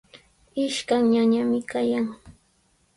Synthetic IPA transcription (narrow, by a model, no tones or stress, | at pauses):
ɪʃkaŋɲaɲamɪkajaŋ